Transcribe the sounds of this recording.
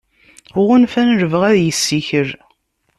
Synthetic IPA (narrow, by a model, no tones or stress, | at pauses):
ʁʊnfænɾəvəʁæðjəsːiçəɾ